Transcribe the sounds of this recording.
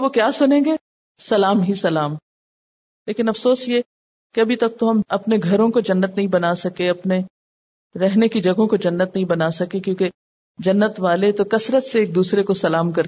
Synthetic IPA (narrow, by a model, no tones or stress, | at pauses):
okjaːsʊnẽːŋɡeː | sɐlaːmɦisɐlaːm | leːkɪnɐfsoːsje | keɐbʱit̪ɐk̚t̪oɦɐmɐpneɡʱɐɾõkod͡ʒɐnːət̪nɐɦĩbɐnasɐkeɐpne | ɾɛɦnekid͡ʒɐɡʱõkod͡ʒɐnːət̪nɐɦĩbɐnasɐkekjõːke | d͡ʒɐnːət̪ʋaːlet̪okɐsɾət̪seeːk̚d̪uːsɾekosɐlaːmkɐɾ